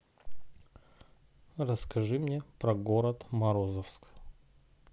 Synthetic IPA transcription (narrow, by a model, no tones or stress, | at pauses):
rəskɐʐɨmnʲepɾɐɡoɾət̪mɐɾozəfsk